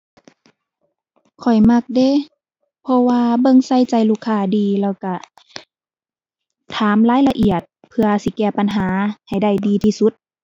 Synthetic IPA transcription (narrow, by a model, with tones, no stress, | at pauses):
kʰɔ˨˩jma˧k̚deː˧˨ | pʰɔ˧waː˧bɤ˧ŋsa˧˩˨jt͡ɕa˨˩jluː˧˩kʰːaː˧˩diː˨˧lɛː˧˩wka˧˩ | t̪ʰaː˨˦mlaː˦˥jla˧ʔi˨˩ət̪̚pʰɯ˧ɐsi˧˦kɛː˧˩pa˨nɦaː˨˦ha˨˩jda˧˩jdiː˧t̪ʰiː˧su˧˦t̪̚